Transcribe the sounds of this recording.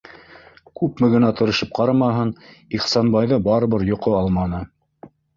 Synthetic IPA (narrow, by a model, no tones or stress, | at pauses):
kʉpmɘ̆ɡɘ̆næt̪ŏɾɤ̆ʃɤp̚qɑɾɑmɑɦɤniχsɑnbɑjðɤbɑɾɤ̆βɤɾjŏqoɑlˠmɑnɤ